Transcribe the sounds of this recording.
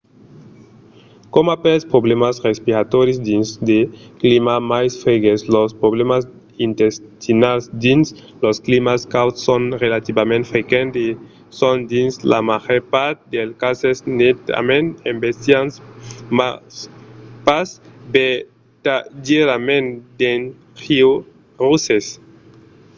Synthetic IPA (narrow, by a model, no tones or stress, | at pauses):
komapɛspɾoβlemasrespiɾat̪ɔɾjosd̪insd̪eklimamajsfɾeɡeslospɾoβlemas | int̪est̪inalsd̪ins | losklimaskawt̪ssonrelat̪ibamẽnt̪fɾekẽnt̪e | sõnd̪insla̰maʁeɾpaɾt̪̚d̪elkasesnet̪a̰mẽnẽmbest̪jansmaspasbe | t̪adeɾamẽnd̪en | ʁiw | ruses